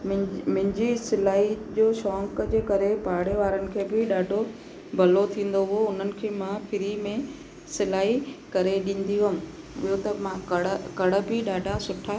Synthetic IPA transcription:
m̃mɪ̃ɪ̃ɲd͡ʑisɪlaːid͡ʑoːʃɔːŋkd͡ʑeːkɐɾepaːɽeʋaːɾənɪ̆kʰeːbɪɗaːɖʱo | bʱɐlot̪ʰĩːn̆d̪oɦʊoʊn̤ənɪ̆kʰeːmãfʰɪɾimẽ | sɪlaːikɐɾeɗĩːn̆d̪io | ɪɦot̪ɐmãkɐɽkɐɽə̆bɪɗaːɖʱasʊʈʰaː

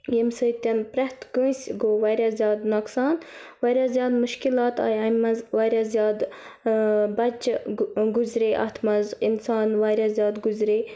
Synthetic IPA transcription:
jimsəjt̪ɐnpɾɐht̪ɡə̃sɡoːʋɐɾʲɐzʲjaːd̪nɐksɑːnʋɐɾʲazjaːd̪muʃkilɑːt̪ɑ̰ːjɐmɐzʋɐɾʲɐzjaːd̪ | bɐt͡ʃɡuzɾeːʔɐ̰t̪ʰmɐzinsɑːnʋaɾʲazʲjaːd̪ɡuzɾeː

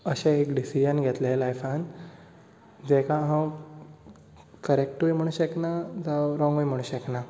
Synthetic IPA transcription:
əɕeekɖisid͡ʑənɡʱɛt̪lelajfãn | d͡zekaɦã | kəɾek̚ʈuʋim̤əɽ̃ũːɕeknad͡zəɾɔ̃ŋɡʋəjm̤əɽũːɕəkna

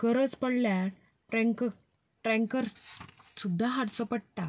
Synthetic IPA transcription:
kəɾət͡spəɽlja | ʈɾẽŋkə | ʈɾɛ̃ŋkəɾsud̪ʱːaɦaɽt͡sɔpəɽ̚t̪a

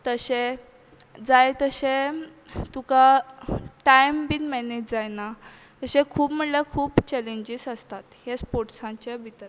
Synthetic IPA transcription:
t̪əɕẽ | d͡zajt̪əɕẽ | t̪ũka | ʈajmbinmɛned͡ʑd͡zajna | t̪əɕẽkʰuːpm̤əɳlakʰuːpt͡ɕɛlẽɲd͡ʑisəst̪at̪hjaspoʈsãt͡ɕabʱit̪əɾ

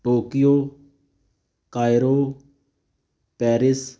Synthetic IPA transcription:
ʈoːkɪjoː | kaːjɾoː | pɛːɾɪs

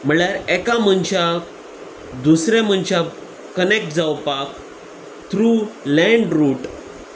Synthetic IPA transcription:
m̤əɭjaɾɛkam̤ənɕa | d̪usɾjam̤ənɕa | kənek̚ʈ̚d͡zawpak | t̪ʰɾulɛ̃ɳɖɾuʈ

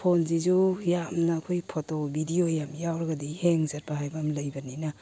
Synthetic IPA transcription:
pʰonzizujamnɐːkʰojpʰotobʱidiojamjawɾaɡadiheŋzɐɾbaɦajbamlɐjbɐninɐ

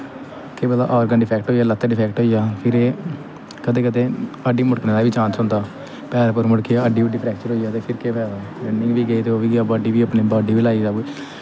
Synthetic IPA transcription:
keːbəd̪a̰ːʔɔːɾɡənɖɪpʰɛːkʈɦoːijaːlət̪ːəɖɪpʰɛːkʈɦoːijaːpʰɪɾeː | kəd̪eːkəd̪eːəɖiːmʊɽkneːlaʋiːt͡ʃãːnsʊ̃nd̪aː | pɛːɾpəɾmʊɽkijaːəɖiːʋəɖːiːpʰɾɛːk̚t͡ʃəɾɦoːijaːt̪eːpʰɪɾkeːpʰɛːd̪aːɾɪnɪŋɡʋiːɡeiːt̪eːoːʋiːɡeaːbaːɖiːʋiːəpniːbaːɖiːʋiːlaːiːsaːbu

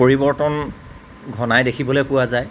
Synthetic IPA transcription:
oɹibɔɹtɔn | ɡʱɔnajdekʰibɔlojpʊwazaj

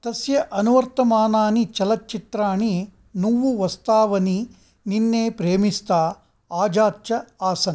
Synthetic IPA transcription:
t̪ɐsjɐʔɐnuʋɐɾt̪ɐmaːnaːnit͡ʃɐlɐtːt͡ʃit̪ɾaːɳi | nuːʋuʋɐst̪aːʋɐni | ninːeːpɾeːmist̪aː | aːd͡ʒaːt͡ʃɐaːsɐnɐ

